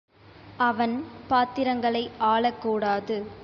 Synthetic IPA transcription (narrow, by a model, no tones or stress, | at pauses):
ɐʋɐnpaːt̪ːɪɾɐŋɡɐɭɐɪaːɭɐkːuːɽaːðɯ